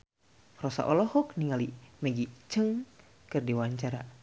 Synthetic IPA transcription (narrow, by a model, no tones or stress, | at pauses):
rɔsa̰ʔɔlɔhɔk̚niŋaliməɡit͡ʃəŋ | kɨrdiwaɲt͡ʃaɾa